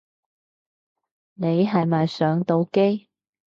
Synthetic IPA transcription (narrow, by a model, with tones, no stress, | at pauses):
ne˨˧jɦɐ˨jmaː˨jsœː˨˧˥ŋt̪o˧wke˥j